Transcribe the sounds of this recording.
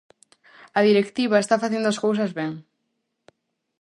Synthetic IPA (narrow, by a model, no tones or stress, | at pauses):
ɐðiɾekt̪iβ̞ɐest̪afaθend̪ʊaskows̬ɐzβɛŋ